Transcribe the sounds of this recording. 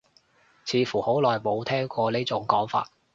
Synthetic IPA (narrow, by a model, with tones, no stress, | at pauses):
t͡sʰiː˨˧fuː˨˩ho˨˥wlɔː˨˩jmo˨˧wt̪ʰɛː˥ŋkʷɔː˧liː˥t͡sʊ˨˥ŋkɔː˨˥ŋfa̰ː˧t̚